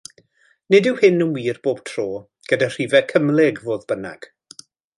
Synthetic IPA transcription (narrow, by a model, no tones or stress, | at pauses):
nɪdɪwhɪnənwiːrb̥oːb̥tʰroː | ɡ̥ədar̥iːvɛkʰəmlˠɛɡvoːðbəna̰ɡ̥